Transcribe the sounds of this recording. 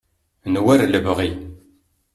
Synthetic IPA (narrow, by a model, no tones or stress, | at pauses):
nwæɾləvʁi